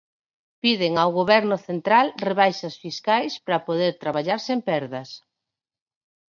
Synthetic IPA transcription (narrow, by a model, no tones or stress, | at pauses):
piðɪŋawɣoβɛɾnʊθent̪ɾalreβajʃɐsfiskajspɾɐpoðeɾt̪ɾaβaʎaɾsempɛɾðɐs